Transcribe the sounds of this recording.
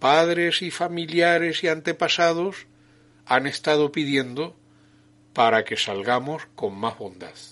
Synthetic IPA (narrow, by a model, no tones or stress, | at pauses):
paðɾe̞sifamiljaɾe̞siant̪e̞pasað̞os | ane̞st̪aðo̞piðje̞nd̪o | paɾake̞salɣamo̞sko̞ŋmaɦβo̞nd̪að